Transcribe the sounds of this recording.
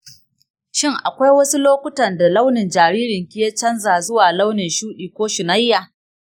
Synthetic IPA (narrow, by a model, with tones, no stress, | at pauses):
ʃɪ˦˨ŋʔa̰˨kʷa˦jwɐ˦su˦loː˦kʷʊ˦tɐ˨nda˨la˦wnɪ˨nd͡ʒaː˨ɽiː˦ɾɪ˨ŋkʲɪ˦je˦t͡ʃɐ˦nzaː˨zʊ˦waː˨la˦wnɪ˨nʃuː˦ɗiː˨kʷoː˦ʃɪ˨na˦jːaː˨